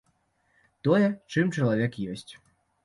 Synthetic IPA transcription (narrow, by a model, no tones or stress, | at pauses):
t̪ɔjɛt͡ʂɨmt͡ʂɐlˠavʲɛkjɔsʲt͡sʲ